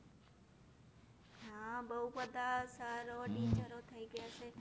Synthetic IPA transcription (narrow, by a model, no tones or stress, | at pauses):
ɦãbəɦubəd̪ʱasaɾoʈit͡ʃəɾot̪ʰəiɡəjat͡ʃʰe